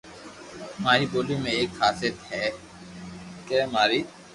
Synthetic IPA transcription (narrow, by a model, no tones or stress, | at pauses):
maːɾiboːlimẽeːkfaːset̪hɛː | kɛːmaːɾiː